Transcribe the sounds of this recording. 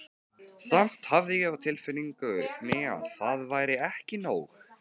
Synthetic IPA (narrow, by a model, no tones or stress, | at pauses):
sam̥t̪havðɪjɛɣawt̪ʰɪlfɪniŋkʏʏɾnɪa̰ðθaðvaːjɾɪɛhcɪnoːw